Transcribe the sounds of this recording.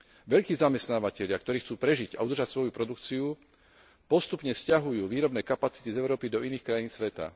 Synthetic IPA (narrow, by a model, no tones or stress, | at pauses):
ʋɛʎkiːzamɛst̪naːʋacɛʎɪakt̪ɔɾiːxt͡suːpɾɛʒiɟa̰ud̪r̩ʒacsʋɔjupɾɔd̪ukt͡siu | pɔst̪upɲɛscaɦujuːʋiːɾɔbnɛːkapat͡si̥t̪izɛʊɾɔːpid̪ɔiniːxkɾajiːnsʋɛt̪a̰